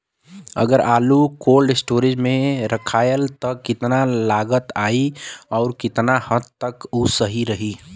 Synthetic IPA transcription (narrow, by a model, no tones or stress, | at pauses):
ə̰ɡəɾʔaːlukoːlɖɪsʈoːɾɪd͡ʒmẽɾəkʰaːjəlt̪ɔkɪt̪nalaːɡət̪aːiɔːɾkɪt̪nahət̪t̪əkusəɦiɾəɦi